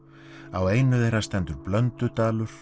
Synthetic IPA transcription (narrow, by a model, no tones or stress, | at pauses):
aweːjnʏðejɾast̪ɛnt̪ʏɾplœnt̪ʏt̪aːlʏɾ̥